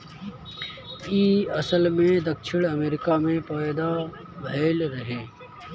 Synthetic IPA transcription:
iːɐsəlmẽd̪ɐkʃʰɪɽ̃ɐmeːɾɪkamẽpaːjd̪a | bʱeːlɾɐɦẽː

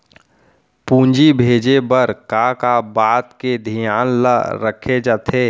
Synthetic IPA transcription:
pũːnd͡ʒibʱeːd͡ʒebəɾkakabaːt̪ked̪ʱijaːnlə̰ɾəkʰed͡ʒat̪ʰeː

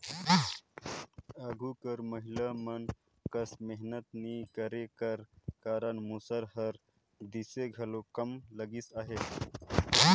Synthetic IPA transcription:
əɡʱukəɾməɦilamən | kəsmeɦnət̪nikəɾekəɾkaːɾənmusəɾɦəɾ | d̪iseɡʱɐəlokəmləɡisaːɦe

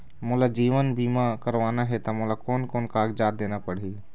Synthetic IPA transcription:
mʊlad͡ʒiːʋənbiːmakəɾʋaːnaɦɛt̪ɔmʊlakoːnkoːnkaːɡd͡ʒaːd̪̚d̪eːnapəɽɦi

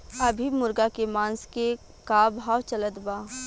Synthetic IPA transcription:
ɐbʱimʊɾɡakemãːnske | kaːbʱaːwt͡ʃɐlət̪baː

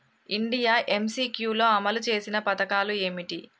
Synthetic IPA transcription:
iɳɖijaːʔe̞msiːkjuːlo̞ːɐmɐlut͡ʃe̞ːsinɐpɐt̪ɐkaːlue̞ːmiʈi

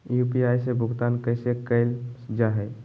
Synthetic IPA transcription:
jupiajsebʱʊɡt̪ankəjsekəɪld͡ʒaɦɛ

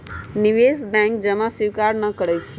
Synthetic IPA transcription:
niʋesbɛ̃ŋkd͡ʒəmãsiʋkaɾnəkəɽejt͡ʃʰe

